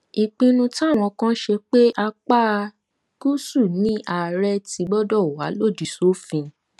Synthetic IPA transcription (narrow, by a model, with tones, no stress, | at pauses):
i˨k͡pĩ˧nũ˧ta˦˨w̃ɔ̃˧kã˦ʃe˧k͡pe˦ʔa˧k͡pa˦˧ | ku˦su˦˨nĩ˨˦ʔa˨ɾɛ˧ti˧˦ɡ͡bɔ˦dɔ˦˨wa̰˨˦lo˦˨di˨so˦fĩ˧